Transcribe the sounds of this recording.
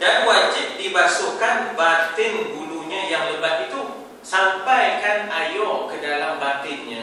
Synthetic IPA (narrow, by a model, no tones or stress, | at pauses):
danwad͡ʒɪt̪̚dibasukanbat̪ɪnbuluɲãjaŋləbat̪̚it̪u | sampajkanajɔkədalambat̪ɪnɲã